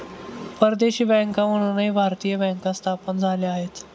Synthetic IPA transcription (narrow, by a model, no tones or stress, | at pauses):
pəɾd̪eɕiːbɛ̃ŋkãməɽ̃unəɦibʱaɾt̪ijəbɛ̃ŋkãst̪ʰapənd͡zʱaleaɦet̪